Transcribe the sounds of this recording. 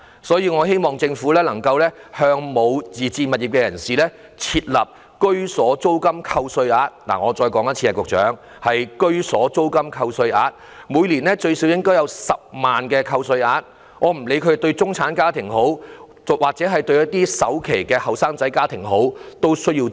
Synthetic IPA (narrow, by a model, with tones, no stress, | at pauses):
sɔː˨˥jiː˧ŋɔː˨˧ɦe˥jmɔː˨˩ŋt͡sɪ˧ŋfuː˨˥lɛː˥lɐ˨˩ŋkɐ˧wlɛː˥hœː˧ŋmo˨˧wt͡siː˨˩t͡siː˧nmɐ˨t̚i˨pkɛː˧jɐ̰˨˩nsiː˨lɛː˥ | t͡sʰiː˧t̚lɐ˨p̚ | kɵ˥ɥsɔː˨˥t͡so˥wkɐ˥mkʰɐ˧wsɵ˧ɥaː˧t̚nla̰˨˩ŋɔː˨˧t͡sɔː˧jkɔː˨˥ŋjɐ˥t͡sʰiː˧aː˨˧kʊ˨k̚t͡ʃœ̰ː˨˥ŋ | hɐ˨jkɵ˥ɥsɔː˨˥t͡so˥wkɐ˥mkʰɐ˧wsɵ˧ɥʔaː˧t̚ | muː˨˧jliː˨˩nɛː˥t͡ʃɵ˧ɥsiː˨˥wjɪ˥ŋkɔː˥wjɐ˧wsɐ˨p̚maː˨nkɛː˧kʰɐ˧wsɵ˧ɥaː˧t̚ | ŋɔː˨˧m̩˨˩le˨˧jkʰɵ˨˧t̪ɵ˧ɥt͡sʊ˥ŋt͡sʰaː˨˥nkaː˥t̪ʰɪ˨˩ŋɦo˨˥w | waː˨k̚t͡sɛː˨˥ɦɐ˨jt̪ɵ˧ɥjɐ˥t̚t̪iː˥sɐ˨˥wkʰe˨˩jkɛː˧hɐ˨wsaː˥ŋt͡sɐ˨˥jkaː˥t̪ʰɪ˨˩ŋɦo˨˥wt̪o˥wsɵ˥ɥjiː˧w